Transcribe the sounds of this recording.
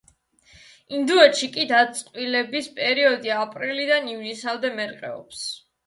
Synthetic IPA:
ind̪uɛʃikʼid̪at̪sʼqʼwilɛbispʼɛɾiɔd̪iapʼɾilid̪anivnisald̪ɛmɛɾqʼɛ̰ɔps

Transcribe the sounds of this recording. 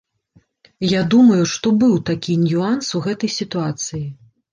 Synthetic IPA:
jad̪umɐjuʂt̪ɔbɨwt̪akʲinʲjuansuɣɛt̪ɐjsʲit̪uat̪sɨji

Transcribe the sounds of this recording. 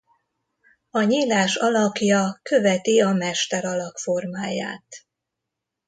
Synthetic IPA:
ɒɲiːlaːʃɒlɒkjɒkø̞vɛt̪iɒmɛʃt̪ɛɾɒlɒkfo̞rmaːja̰ːt̪

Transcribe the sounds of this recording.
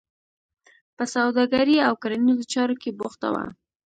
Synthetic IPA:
pəsawd̪ɑɡaɾiawkaɾanizot͡ʃɑɾokeboxt̪a̰wa̰

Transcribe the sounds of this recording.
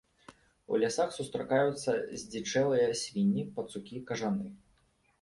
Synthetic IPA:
ṵlʲasaxsust̪ɾakajut̪sːɐzʲd͡zʲit͡ʂɛlˠɨjɐsʲvʲinʲːipɐt̪sukʲikɐʐanɨ

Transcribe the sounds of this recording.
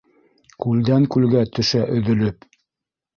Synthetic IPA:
kʉld̪æŋkʉlɡæt̪ɵ̆ʃæʔɵ̆ðɵ̆lɵp

